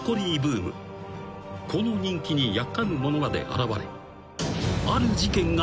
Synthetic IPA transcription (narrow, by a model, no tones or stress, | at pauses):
ko̞ɾʲiːbɯːmɯ̟̰ | kʰo̞no̞ɲ̟ĩŋkʲiɲ̟ijakːamɯ̟mo̞no̞mad̪ḛʔa̰ɾaβaɾe̞̰ | aɾɯ̟d͡ʑikẽ̞ŋɡa